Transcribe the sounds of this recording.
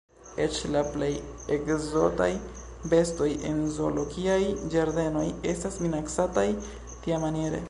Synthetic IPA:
e̞t͡ʃlaplejekzo̞ta̰j | be̞sto̞jḛnzo̞lo̞ɡiajd͡ʒaɾd̪e̞no̞je̞stasminaksataj | tiamanjeɾḛ

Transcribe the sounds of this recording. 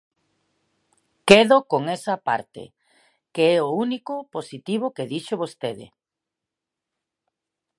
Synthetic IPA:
keðokoŋesɐpa̰ɾt̪ḛ | keɛounikoposit̪iβ̞okeðiʃoβost̪eðḛ

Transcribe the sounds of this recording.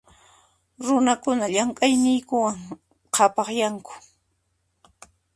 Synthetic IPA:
ɾʊnakʊnaʎaŋkʼajnɪjkʊwaŋ | qʰɑpɑχjaŋkʊ̥

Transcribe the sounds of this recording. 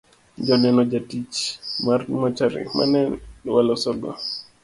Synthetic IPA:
d͡ʒɔnɛnɔd͡ʒatit͡ʃmaɾmat͡ʃaɾḭma̰nɛwalɔsɔɡɔ̰

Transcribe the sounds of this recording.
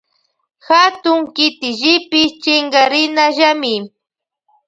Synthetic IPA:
xat̪ʊŋkɪt̪ɪʒɪpɪt͡ʃɪŋɡaɾɪnaʒamɪ

